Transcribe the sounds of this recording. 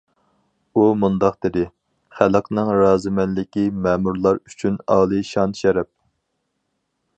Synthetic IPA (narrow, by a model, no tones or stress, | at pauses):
umund̪ɑqd̪ɪd̪ɪ | χælˠəqnɨŋɾɑːzɨmɛnlɪkʲimɛːmuɾlˠɑɾyt͡ʃʰynɑːlˠɨʃɑnʃɛɾɛp̚